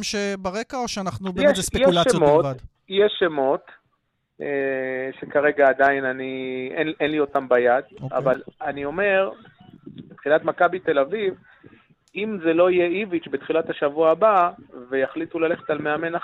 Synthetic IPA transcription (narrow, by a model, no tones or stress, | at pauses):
ʃebaʁekaoʃeanaχnuubjɛesejɛuʃlaejmotvad | jeʃemo̞t̪ | eʃekaʁe̞ɡaːd̪ainanienenlio̞tambajad̪oa̰valanio̞me̞ʁ | bet̪χilat̪makabit̪e̞laviv | imzelo̞ijeivit͡ʃbet̪χilathaʃavuaːbavejaχlit̪ulale̞χetalmeame̞na